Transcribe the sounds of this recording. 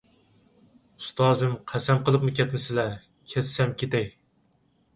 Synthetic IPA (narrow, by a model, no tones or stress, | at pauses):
ust̪ʰɑːzɨmqʰæsɛmqʰəlˠəpmɨkʲʰɛt̪mɪsɪlɛ | kʲʰɛssɛmkʲʰet̪ɛj